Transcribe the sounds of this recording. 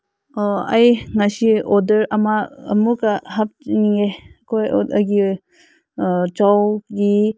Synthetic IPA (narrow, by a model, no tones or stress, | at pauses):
ajŋasiɔdɐɾɐmaɐ̰mukaɦap̚niŋekʰojɐɡi | t͡ʃawɡi